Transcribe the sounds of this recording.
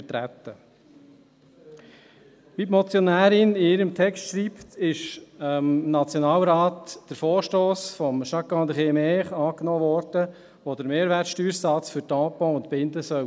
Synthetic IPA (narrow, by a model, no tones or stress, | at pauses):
ət̪ɾæt̪ːə | ʋipmɔt͡sjɔnæːɾɪniɪɾəmt̪ʰɛkstʃɾiːpt̪ɪʃmnɑt͡sjonɑːlɾaːtd̥əɾfoːɾʃtoːsfɔmʃɑkːɑ̃ːd̪əχeːmɛːχɑːknɔːʋɔːɾd̥ə | ʋod̪əɾmeːɾʋæːtʃtyːɾsɑt͡sfʏɾtɑ̃ːpɔ̃ʊnt̪pɪnd̪əsœw